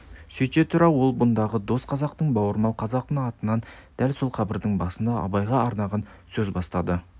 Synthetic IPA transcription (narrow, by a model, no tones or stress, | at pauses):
sɵjt̪et̪ʰʊɾɑwwo̞lˠbʊnd̪ɑʁəd̪o̞sqʰɑzɑqt̪əɴbɑwəɾmɑlˠqʰɑzɑqt̪əɑt̪ənːɑnd̪̥ælso̞lˠqʰɑbɪɾd̪əɴbɑsənd̪ɑɑ̰bɑjʁɑɑɾnɑʁɑn | sɵzbɑst̪ɑd̪ə